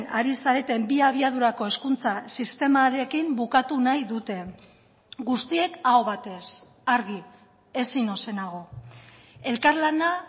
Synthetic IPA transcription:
naɾisaɾe̞t̪e̞mbiaβ̞iað̞uɾako̞e̞skunt͡sasist̪e̞maɾe̞kimbukat̪unajðut̪e̞ | ɡust̪ie̞kaoβat̪e̞s | aɾɣi | e̞sino̞se̞naɣ̞o̞ | e̞lkaɾlana

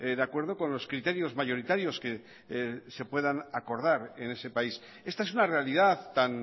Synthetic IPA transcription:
d̪eakwe̞ɾð̞o̞ko̞nlo̞skɾit̪e̞ɾjo̞zmaʝo̞ɾit̪aɾjo̞ske̞ | se̞pwe̞ðanako̞ɾðaɾe̞ne̞se̞pais | e̞st̪ae̞sunare̞aliðaðt̪an

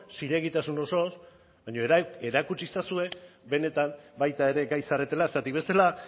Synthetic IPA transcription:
siɾe̞ɣit̪asuno̞so̞s | baɲo̞eɾakut͡ʃisasue̞be̞ne̞t̪ambajt̪ae̞ɾe̞ɡajsaret̪e̞laesat̪ik̚be̞st̪e̞la

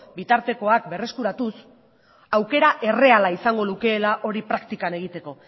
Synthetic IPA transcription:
bit̪aɾt̪e̞ko̞ak̚be̞re̞skuɾat̪us | awke̞ɾaʔe̞re̞alaisaŋɡo̞luke̞ːlaʔo̞ɾipɾakt̪ikane̞ɣ̞it̪e̞ko̞

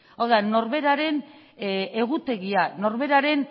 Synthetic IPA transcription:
awðano̞ɾβe̞ɾaɾe̞n | e̞ɣ̞ut̪e̞ɣiano̞ɾβe̞ɾaɾe̞n

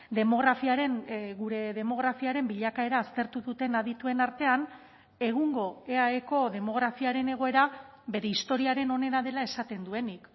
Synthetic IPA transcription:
d̪e̞mo̞ɣɾafiaɾe̞nɣuɾe̞ð̞e̞mo̞ɣ̞ɾafiaɾe̞mbiʎakae̞ɾaːst̪e̞ɾt̪uðut̪e̞naðit̪ue̞naɾt̪e̞an | e̞ɣ̞uŋɡo̞e̞aeko̞ðe̞mo̞ɣ̞ɾafiaɾe̞ne̞ɣ̞o̞e̞ɾa | be̞ɾe̞ist̪o̞ɾiaɾe̞no̞ne̞naðe̞lae̞sat̪e̞nd̪ue̞nik

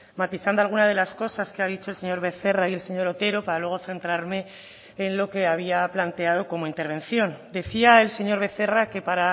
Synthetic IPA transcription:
mat̪iθand̪oalɣ̞unað̞e̞lasko̞saskeaðit͡ʃo̞else̞ɲo̞ɾβe̞θe̞raie̞lse̞ɲo̞ɾo̞t̪e̞ɾo̞paɾalwe̞ɣ̞o̞θe̞nt̪ɾaɾme̞ː | nlo̞ke̞aβ̞iaplant̪e̞að̞o̞ko̞moint̪e̞ɾβ̞ẽ̞nθjo̞nd̪e̞θiae̞lse̞ɲo̞ɾβe̞θe̞rake̞paɾa

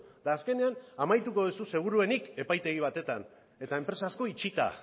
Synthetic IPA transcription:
d̪aːske̞ne̞anamajt̪uko̞ðususe̞ɣ̞uɾue̞nike̞pajt̪e̞ɣ̞iβ̞at̪e̞t̪an | e̞t̪aempɾe̞sasko̞it͡ʃit̪a̰

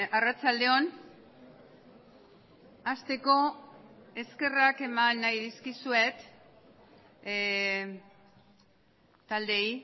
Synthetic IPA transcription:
arat͡sald̪e̞o̞n | ast̪e̞ko̞ | e̞ske̞rake̞manːajðiskisue̞t̪ | t̪ald̪e̞j

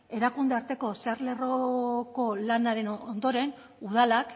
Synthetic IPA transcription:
e̞ɾakund̪eaɾt̪e̞ko̞seaɾle̞ro̞ko̞lanaɾe̞no̞nd̪o̞ɾe̞n | uð̞alak

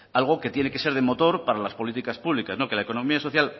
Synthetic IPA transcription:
alɣ̞o̞ke̞t̪je̞ne̞ke̞se̞ɾð̞emo̞t̪o̞ɾpaɾalaspo̞lit̪ikaspuβlikaszno̞ke̞laeko̞nõ̞miaso̞θjal

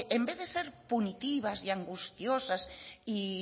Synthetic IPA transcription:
embeððeseɾpunit̪iβasiaŋɡust̪josasi

